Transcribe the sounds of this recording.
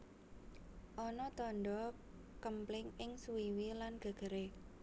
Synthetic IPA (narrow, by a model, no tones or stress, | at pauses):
ʔɔnɔt̪ɔnɖɔ | kəmplɪŋɪŋsuiwilanɡ̥ə̤ɡ̥ə̤ɾe